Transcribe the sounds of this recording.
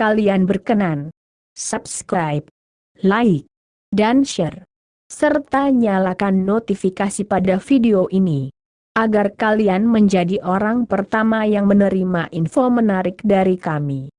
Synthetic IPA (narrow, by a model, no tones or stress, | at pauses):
kalianbərkənan | sap̚skɾajp̚ | laɪk̚ | danʃər | sərt̪aɲalakanːot̪ifikasipadafideoʔini | ʔaɡarkalianməɲd͡ʒadiʔoɾaŋpərt̪amajaŋmənəɾimaʔinfomənaɾɪk̚daɾikami